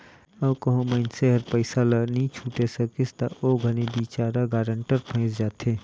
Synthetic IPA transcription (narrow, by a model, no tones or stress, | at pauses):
ɔːkəɦõməɪnseɦɐɾpəɪsalanəĩt͡ʃʰuːʈesɐkɪst̪aʔoɡʱɐnibiːt͡ʃaːɾaɡaːɾəɳʈəɾpʰə̃ɪ̃t͡ʃd͡ʒaːt̪ʰe